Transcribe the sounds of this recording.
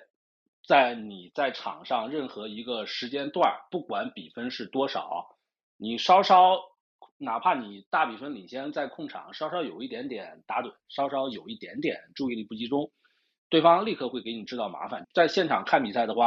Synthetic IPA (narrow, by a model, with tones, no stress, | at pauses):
t͡sa˥˩ɪni˨˩t͡sa˥˩ɪʈ͡ʂʰɑ̰˨˩ŋʂɑ˥˧ŋɻə˥˩nxɤ˧˥i˧˥ɡə˧ʂɻ̩˧˥t͡ɕjɛ˥nt̪wa˥˩npu˥˩kwa˧˥npi˨˩fə˥nʂɻ̩˥˩t̪wɔ˥ʂɑ̰˨˩˦ | ni˨˩ʂɑ˥ʊʂɑ˥ʊ | na˨˩pʰa˥˩ni˨˩t̪a˥˩pi˨˩fə˥nli˨˩ɕjɛ˥nt͡sa˥˧ɪkʰʊ˥˩ŋʈ͡ʂʰɑ̰˨˩˦ŋʂɑ˥ʊʂɑ˥ʊjo˨˩ʊi˥˩t̪jɛ˧˥nt̪jɛ˨˩˦nt̪a˧˥t̪wə˨˩nʂɑ˥ʊʂɑ˥ʊjo˨˩ʊi˥˩t̪jɛ˧˥nt̪jɛ̰˨˩˦nʈ͡ʂu˥˧i˥˩ni˨˩pu˥˩t͡ɕi˥ʈ͡ʂʊ˥ŋ | t̪we˥˩ɪfɑ˥ŋli˥˧kʰɤ˥˧xwe˥˩ɪke˧˥ɪni˨˩ʈ͡ʂɻ̩˥t̪ɑ˥˩ʊma̰˧˥fa˨˩˦nt͡sa˥˧ɪɕjɛ˥˩nʈ͡ʂʰɑ˨˩ŋkʰa˥˩npi˨˩sa˥˩ɪd̪ə˩xwa˥˩